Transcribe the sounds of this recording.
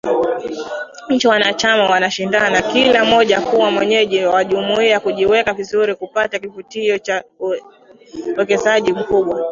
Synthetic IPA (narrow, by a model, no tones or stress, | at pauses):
ɲ̩t͡ʃiwanat͡ʃamawanaʃindanakilamɔʄakuwamwɛɲɛʄiwawaʄumuiakuʄiwɛkavizuɾikupatakivutiɔt͡ʃa | wɛkɛzaʄim̩kuɓwa